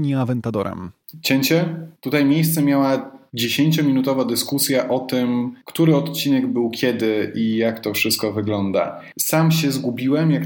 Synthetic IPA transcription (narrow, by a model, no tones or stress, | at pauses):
ɲiavɛnt̪ad̪ɔ̰ɾɛ̰mt͡ɕɛɲt͡ɕɛt̪ut̪ajmʲjejst̪sɛmʲjawad͡ʑeɕeɲt͡ɕɔmʲinut̪ɔvad̪ɘskusʲjaʔɔt̪ɘmkt̪uɾɘɔt̪t͡ɕinɛɡbɘwkʲɛd̪ɘʔijakt̪ɔfʂɘst̪̚kɔvɘɡlɔnd̪a̰ | samɕɛzɡubʲiwɛmjak